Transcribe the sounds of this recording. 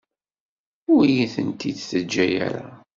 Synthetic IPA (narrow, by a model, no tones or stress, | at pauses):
ʊɾijiθənt̪id̪θəd͡ʒːæjæ̰ɾa